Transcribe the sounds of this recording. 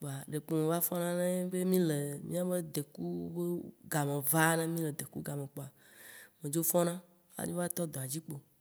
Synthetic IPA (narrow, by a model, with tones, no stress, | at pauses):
k͡po˨a˨ɖe˨k͡pu˨me˨va˦fɔ˦nã˦nẽ˦be˦mĩ˦le˨mĩ˦a˦be˦d̪e˨ku˦be˦ɡa˨mẽ˨va˦nã˦mĩ˦le˨d̪e˨ku˦ɡa˨mẽ˨k͡po˨a˨ | mẽ˨d͡ʒo˦fɔ̃˦nã˦ | a̰˦ɲõ˦va˦t̪ɔ˦d̪ɔ˨a˨d͡ʑi˦k͡po˨